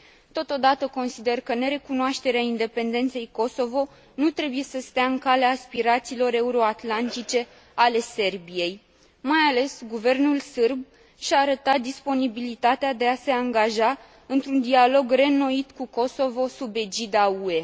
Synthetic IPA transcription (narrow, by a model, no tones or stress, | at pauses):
t̪o̞t̪o̞d̪at̪əko̞nsid̪e̞rkəne̞ɾe̞kunoaʃt̪e̞ɾeaind̪e̞pe̞nd̪e̞nt̪se̞jko̞so̞vo̞ | nut̪ɾe̞buje̞səst̪eaɨŋkaleaːspiɾat̪siːlo̞ɾe̞uɾo̞at̪lant̪it͡ʃe̞ | ale̞se̞rbije̞j | majale̞sɡuve̞rnulsɨrb̚ | ʃaːɾət̪at̪̚d̪ispo̞nibilit̪at̪ead̪e̞ase̞aŋɡaʒa | ɨnt̪ɾund̪ialo̞ɡre̞no̞it̪kuko̞so̞vo̞sube̞d͡ʒid̪aue̞